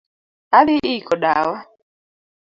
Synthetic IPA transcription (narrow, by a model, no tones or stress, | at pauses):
alɪʔikɔɗawa